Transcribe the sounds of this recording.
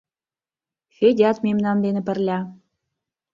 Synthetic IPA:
fedʲɑt̪memnɑnd̪enə̆pə̆rlʲæ

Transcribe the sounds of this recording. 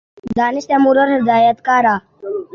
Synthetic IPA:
d̪aːnɪst̪amuɾəɾɦɪd̪aːjət̪kaːɾa

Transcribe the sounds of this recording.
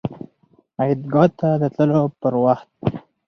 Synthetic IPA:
ajid̪ɡɑt̪ːad̪ət̪ləlopəɾwaxt̪̚

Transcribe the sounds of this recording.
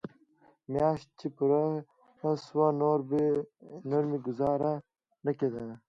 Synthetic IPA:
mjaːɕ̚t͡ɕipuɾa | swanoɾb | noɾmiɡʊzaːɾa | nɐked̪ɐ

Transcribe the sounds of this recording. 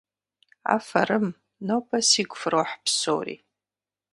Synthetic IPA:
a̰faɾɨm | nopʼasiɡʷfroħpʰso̰wrḭ

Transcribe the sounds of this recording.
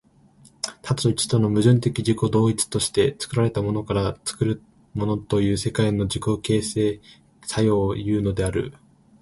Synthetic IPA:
t̪ʰat͡st͡ɕi̥t̪o̞no̞mɯ̟ʑɨ̃nt̪e̞kʲid͡ʑiko̞d̪o̞ːit͡sɨ̥t̪o̞ɕi̥t̪e̞t͡sɨ̥kɯ̟ɾaɾe̞t̪amo̞no̞kaɾat͡sɨ̥kɯ̟ɾɯ̟ | mo̞no̞t̪o̞jɯ̟ːse̞kaino̞d͡ʑiko̞ke̞ːse̞ː | sajo̞ːjɯ̟ːno̞d̪e̞aɾɯ̟̰

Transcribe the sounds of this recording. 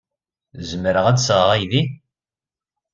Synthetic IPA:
zəməɾəʁædsəʁʁæjði

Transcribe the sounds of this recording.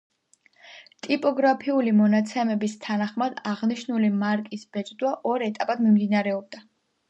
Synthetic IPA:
t̪ʼipʼɔɡɾapʰiulimɔnat̪sʰɛmɛbist̪ʰanaχmad̪aʁniʃnulimaɾkʼisb̥ɛt͡ʃʼd̪waʔɔɾɛt̪ʼapʼad̪mimd̪inaɾɛɔb̚d̪a

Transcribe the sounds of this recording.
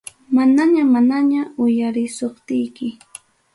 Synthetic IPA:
manaɲamanaɲaʊjaɾɪsoχt̪ɪjkɪ

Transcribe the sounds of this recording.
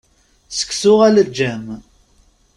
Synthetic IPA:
sə̥kːsʊʁæləd͡ʒːæm

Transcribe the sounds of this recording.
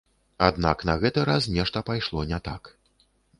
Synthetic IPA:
ad̪naknɐɣɛt̪ɨɾasnʲɛʂt̪ɐpajʂlˠɔnʲɛt̪ak

